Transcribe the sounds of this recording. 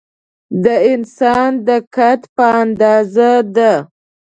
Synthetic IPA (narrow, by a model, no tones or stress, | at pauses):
d̪əɪnsɑnd̪əkat̪pəand̪ɑzad̪a